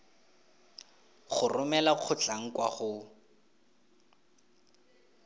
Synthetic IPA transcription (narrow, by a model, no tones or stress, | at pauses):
χʊrʊmɛlaq͡χʰʊt͡ɬʼaŋ̩kwaχʊ